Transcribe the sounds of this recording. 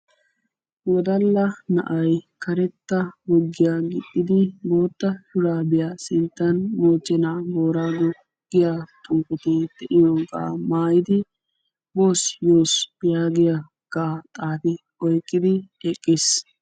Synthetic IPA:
wɔd̪ɐlːɐnɐ̰ʔɐjkɐɾɛt̪ːɐɡɔɡːɪjaːɡɪt̪ʼːɪd̪ɪbo̞ːt̪ːɐʃʊɾaːbɪjaːsɪnt̪ːɐnmoːt͡ʃːɛnaːboːɾaːɡɔ | ɡ̥ɪjaːt̪ʼuːkʼɪt̪ed̪̥ɛʔɪjoɡa̰ːmaːjɪd̪ɪ | bo̞ːsjoːsb̥ɪjaːɡɪja | ɡ̥aːt̪ʼaːfɪ | ɔjkʼːɪd̪ɪɛkʼːɪs

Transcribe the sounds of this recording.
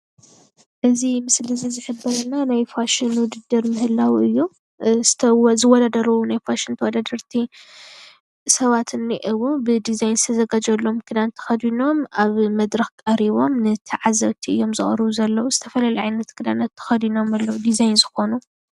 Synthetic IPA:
ʔɨzimɨslizizɨħɨbɐɾɐnːanajfaʃɪnwʊd̪ɨd̪ːɨɾmɨhɨlːawɨjːu | zɨt̪ʰɐzɨwɔd̪ad̪ɐɾɐwunajfaʃɪnt̪ʰɐwɔd̪ad̪ɐɾt̪ʰi | sɐβat̪ʰɨnːiʔɨwubɨd̪izajnzɨt̪ʰɐzɐɡad͡ʒɐlːo̞mkʰɨd̪ant̪ʰːɐ̥xɐd̪ino̞mʔaβmɐd̪ɾɐxkʼɐɾiβo̞mnɨt̪ʰiʕazɐβt̪ʰiɨjːo̞mzɨχʼɾɨβuzɐlːɐwuzɨt̪ʰɐfɐlalɐjʕajnɐt̪kʰɨd̪a̰nɐt̪ʰːɐ̥xɐd̪ino̞malːɐwud̪izajnzɨxo̞nu

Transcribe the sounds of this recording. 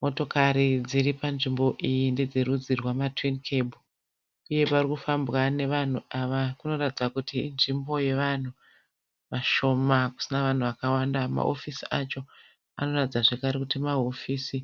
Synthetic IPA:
mo̞to̞kaɾid͡ziripanʐimbo̞ʔijinde̞d͡zerud͡zirwamatwinkʰe̞bʱu | uje̞parikufambwane̞ʋan̤uaʋakuno̞ratid͡zakutiːnʐimbo̞je̞ʋan̤u | ʋaʃo̞maku̥sinaʋan̤uʋakawandama̰ʔo̰fisiat͡ʃo̞ | a̰no̞ratid͡zaʐe̞kaɾekutimaɦo̞fisi

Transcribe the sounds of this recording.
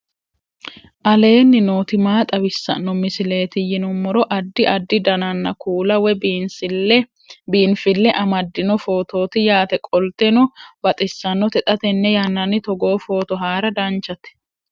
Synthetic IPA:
ʔɐle̞ːnːɪno̞ːt̪ɪmaːt̪ʼɐwɪsːɐ̰nːɔmɪsɪle̞ːt̪ɪjɪnʊmːɔɾɔʔɐd̪ːɪʔɐd̪ːɪd̪ɐnɐnːɐkʰuːlɐwɛb | biːnfɪlːɛʔɐmɐd̪ːɪnɔfo̞ːt̪o̞ːt̪ɪjaːt̪ɛkʼɔlt̪ɛnɔbɐt̪ʼɪsːɐnːɔt̪ɛt̪ʼɐt̪ɛnːɛjɐnːɐnːɪt̪ɔɡo̞ːfo̞ːt̪ɔɦaːɾɐd̪ɐnt͡ʃːɐt̪ɛ̥

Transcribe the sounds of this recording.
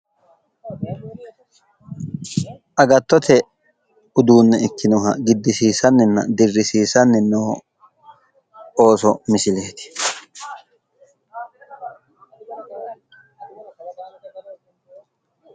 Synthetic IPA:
ʔɐɡɐt̪ːɔt̪ʰɛ | ʊd̪uːnːɛɪkːɪnʊɦɐɡɪd̪ːɪsiːsɐnːɛnːɐ̰d̪ɪrːɪsiːsɐnːɛnːoː | o̞ːsɔmɪsɪle̞ːt̪ɪ̥

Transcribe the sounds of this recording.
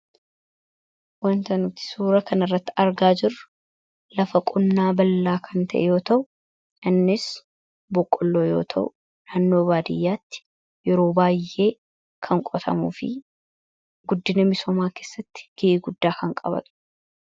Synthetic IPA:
wɐnt̪ɐnʊt̪ːɪ̥suːɾɐkɐnɐrːɐt̪ːɪɐɾɡaːd͡ʒɪrːʊ | lɐfɐkʼʊnːaːbɐlːaːkʰɐnt̪ʰɐʔɛ̰jo̞ːt̪ɐʔʊ | ʔɪnːɪs | bɔkʼːɔlːo̞ːjo̞̰ːt̪ʰɐʔʊ̰ | naːnːo̞ːbaːd̪ɪjːaːt̪ːɪ̥ | jɛɾo̞ːbaːjʔe̞ː | kʰɐŋkʼɔt̪ʰɐ̰mṵːfɪ̰ | ɡʊd̪ːɪnɐmɪsɔmaːke̞ːsːɐt̪ːɪ̥ɡ̥ɪʔiːɡʊd̪ːaːkɐŋkʼɐbɐ̰t̪

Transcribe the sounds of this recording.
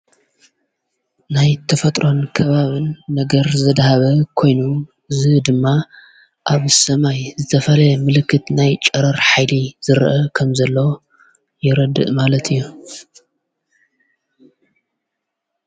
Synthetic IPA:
najt̪ʰɐfɐt̪ʼɾo̞nkʰɐβaβɨnːɐɡɐɾzɐd̪haβɐkʰo̞jnu | ɨzɨd̪ɨmːa | ʔaβsɐmajzɨt̪ʰɐfɐlɐmɨlɨkʰːɨt̪najt͡ʃʼɐɾɐɾħajliz̥ɨɾʔɐkʰɐmzɐlːɐ | jɪɾɐd̪ɨ̰ʔmalɐt̪ʰɨjːu

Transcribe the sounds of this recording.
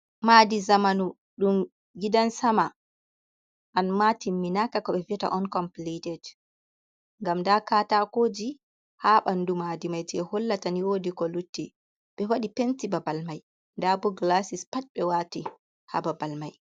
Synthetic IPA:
madizamanu | ɗum | ɡidansama | ʔanmatimːinakakɔɓɛviɛta̰ʔɔnkɔmplitɛd͡ʒ | ŋɡamndakaːtakoːd͡ʒi | haːɓandumadimajd͡ʒɛhɔlːataniwodikɔlutːi | ɓɛwaɗipentibabalmaj | ndabɔɡlasispat͡ʃ̚ɓɛwati | ha̰babalmaj

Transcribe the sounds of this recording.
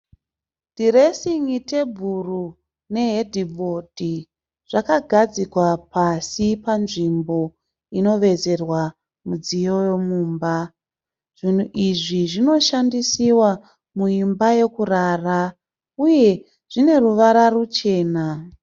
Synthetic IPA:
diɾe̞siŋite̞bʱuru | ne̞ɦedʱibʱo̞dʱi | ʐ̥akaɡʱad͡zikwapasipanʐimbo̞ | ino̞ʋe̞ze̞rwa | mud͡zijo̞jomuːmba | ʐ̥in̤uʔiʐiʐino̞ʃandisiwa | mujimbaje̞kuraːra | uje̞ | ʐ̥ine̞ruʋaɾarut͡ʃe̞ːna

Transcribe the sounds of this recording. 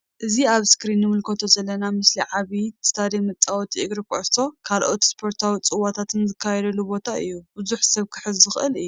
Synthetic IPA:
ʔɨziaβskɾinːɨmɨlkʰot̪ʰo̞zɐlːɐnamɨsliʕaβit̪ʰt̪ʰaɾimɐt͡sʼawt̪ʰiʔɨɡɾɨkʰʼʔso̞kʰalʔo̞t̪spʰo̞ɾt̪ʰawit͡sʼɨwat̪ʰat̪ʰɨnzɨkʰːajɛd̪ɐlːubo̞t̪ʰaɨjːubɨzuħsɐβkʰɨ̥ħɨzːɨxʔɨlɨjːu

